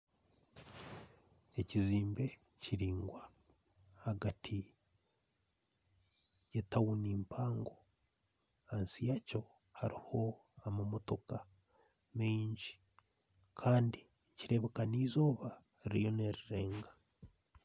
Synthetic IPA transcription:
e̞ciziːmbe̞ | ciɾiːŋɡwa | haɡatʰi | jetawuniːmpʰaːŋɡo̞ | hansijaco̞ | haɾiho̞amamo̞to̞ka | meɲɟi̥ | kʰaːndi | ciɾe̞βekaniːzo̞ːβa | iɾjo̞neɾiɾe̞ːŋɡḁ

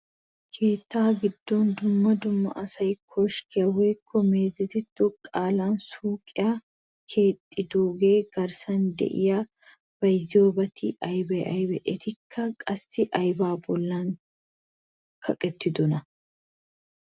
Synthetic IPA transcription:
kʰeːt̪ːaːɡɪd̪ːo̞ːnd̪ʊmːɐd̪ʊmːɐ̰ʔɐsɐjkʰːoːʃkɪɐweːkʰːɔmeːzɪt̪ɪt̪ːʊkʼaːlaːnsuːkʼɪja | kʰe̞ːt̪ʼːɪd̪oːɡeːɡ̥ɐɾsɐnd̪ɛ̰ʔɪ̰ja | b̥ɐjzoːbɐt̪ʰɪʔɐjbɛʔɐjbɛʔɛt̪ɪkʰːɐkʼɐsːɪʔɐjbaːbɔlːaŋ | kʰɐkʼɛt̪ːɪd̪ʊnɐ

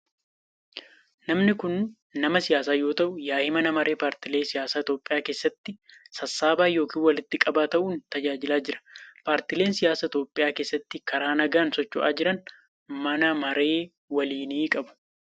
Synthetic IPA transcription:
nɐmnɪkʊn | nɐmɐsɪjaːsaːjo̞ːt̪ɐʔʊjaːhɪmɐnɐmɐɾe̞ːpaːɾt̪ɪleːsɪjaːsaːɪt̪oːpʼːɪjaːke̞ːsːɐt̪ːɪsɐsːaːbaːjo̞ːkiːnwɐlɪt̪ːɪkʼɐbaːt̪ɐʔuːnt̪ɐd͡ʒaːd͡ʒɪlaːd͡ʒɪɾɐ̥paːɾt̪ɪle̞ːnsɪjaːsaːɪt̪o̞ːpʼːɪjaːke̞ːsːɐt̪ːɪkɐɾaːnɐɡaːnsɔt͡ʃːʊʔa̰ːd͡ʒɪɾɐn | mɐnɐmɐɾe̞ː | wɐliːniːkʼɐbʊ̥

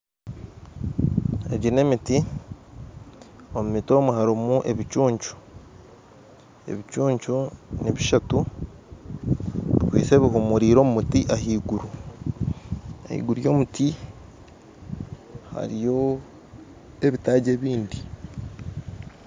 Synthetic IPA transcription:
ḛɟine̞miti | omumito̞ːmuhaɾimuʔe̞βit͡ʃuːɲt͡ʃu̥ | e̞̰βit͡ʃuːɲt͡ʃuniβiʃatu | βikwḭːt͡se̞ːβiɦumuɾiːɾo̞ːmumutiʔaɦiːɡuɾu | ḛhḭːɡuɾjo̞ːmutʰi | ha̰ɾijo̞ | e̞βitaːɟe̞ːβiːndi

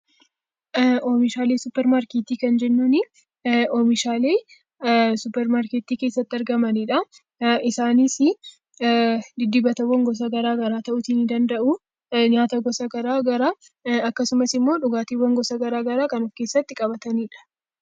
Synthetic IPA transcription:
ʔoːmɪʃaːleːsʊpːɛɾmaːɾkeːt̪iːkɐnd͡ʒɛnːuːnɪ | oːmɪʃaːle̞ː | sʊpːɛɾmaːɾkeːt̪ːiːkeːsːɐt̪ːɪɐɾɡɐmɐniːᶑɐ | ɪsaːnisɪ | d̪ɪd̪ːɪbɐt̪ɐwːɐŋɡɔs̬ɐɡɐɾaːɡɐɾaːt̪ɐʔʊt̪iːnɪd̪ɐnd̪ɐʔu | ɲaːt̪ɐɡɔsɐɡɐɾaːɡɐɾaː | ɐkːɐsʊmɐsɪmːo̞ːᶑʊɡaːt̪iwːɐŋɡɔsɐɡɐɾaːɡɐɾaːkɐnʊfke̞ːsːɐt̪ːɪkʼɐbɐt̪ɐniːᶑɐ̥

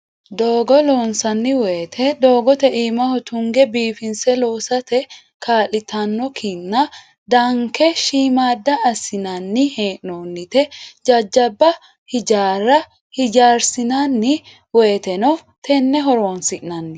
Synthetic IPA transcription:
d̪oːɡɔloːnsɐnːɪweːt̪ʰɛd̪o̞ːɡɔt̪ɛʔiːmɐhɔt̪ʰʊŋɡɛbiːfɪnsɛloːsɐt̪ɛ | kʰaːlɪt̪ʰɐnːɔkʰinːɐ | d̪ɐŋkɛʃiːmaːd̪ːɐːsɪnɐnːɪheːʔnoːnːɪt̪ɛd͡ʒɐd͡ʒːɐbːɐ | hɪd͡ʒaːɾɐ | hɪd͡ʒaːɾsɪnanːɪ | weːt̪ɛnɔt̪ʰɛnːɛɦɔɾoːnsɪʔnɐnːɪ

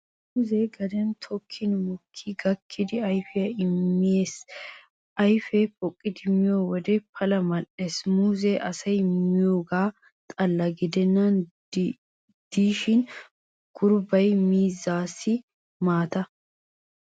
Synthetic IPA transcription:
muːzɛɡɐd̪ɛnt̪ʰɔkʰːɪnmʊkʰːiɡɐkʰːɪd̪ɪɐjfɪjɐɪmːɪje̞ːs | ʔɐjfɛpɔkʼːɪd̪ɪmɪjoːwɔd̪ɛpʰɐlɐmɐnːeːsmuːzeʔɐsɐjmɪjoːɡaː | t̪ʼɐlːɐɡɪd̪ɛnːɐn | d̪̥iːʃɪn | ɡ̥ʊɾbɐjmiːzːaːsːɪ | maːt̪ɐ

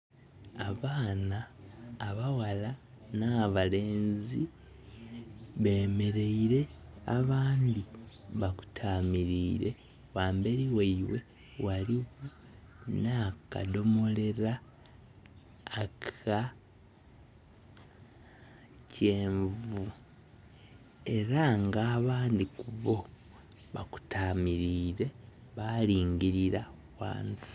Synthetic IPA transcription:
aβaːnaː | βawala | naβale̞ːnzi | βe̞ːme̞ɾe̞iɾe̞aβaːndiβaku̥tʰaːmiɾiːɾe̞ | waːmbe̞ɾiwaiwe̞ | waliɣu | naka̰do̞mo̞le̞ɾa | kʰa | ce̞ːɱvu | e̞ɾaŋɡaːβaːndikuβo̞ | βaku̥tʰamiɾiːɾe̞βaliːŋɡiɾiɾa | wa̰ːnsi̥

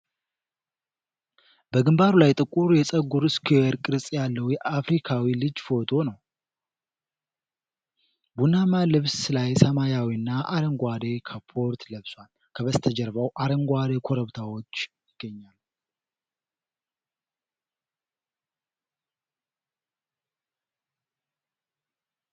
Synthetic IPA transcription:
b̥əɡɨmbaɾulajt̪ʼɨkʼuɾjɛsʼəɡuɾɨskʰiɛɾkʼɨɾsʼjalːəwjɛʔafɾikʰawilɨd͡ʒfo̞t̪ʰo̞nəw | bunamalɨβslajsəmajawiɨnːaʔaɾəŋɡʷad̪ekʰəpʰo̞ɾt̪ləβswal | kʰəβəst̪ʰəd͡ʒəɾβawʔaɾəŋɡʷad̪ekʰo̞ɾəβt̪ʰawo̞t͡ʃːjɪɡ̥ːəɲːal

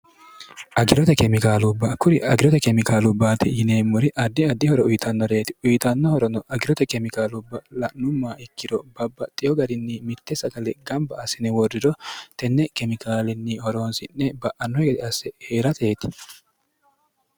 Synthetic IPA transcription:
ʔɐɡɪɾɔt̪ɛkɛmɪkaːlʊbːɐkʊɾɪʔɐɡɪɾɔt̪ɛkɛmɪkaːlʊbːaːt̪ɪjɪneːmːʊɾɪʔɐd̪ːɪɐd̪ːɪhɔɾɔʊjt̪ʰɐnːɔɾe̞ːt̪ɪ̥ʊjt̪ɐnːɔhɔɾɔnɔʔɐɡɪɾɔt̪ɛkɛmɪkaːlʊbːɐlɐʔnːʊmːaːɪkːɪɾɔbɐbːɐt̪ʼːɪjɔɡɐɾɪnːimɪt̪ːɛsɐɡɐlɛɡɐmbɐːsɪnɪwɔrːɪɾɔt̪ɛnːɛkɛmɪkʰaːlɛnːihɔɾo̞ːnsɪnːɛbɐʔɐnːɔɛɡɛd̪ɪɐsɛheːɾɐt̪eːt̪ɪ̥

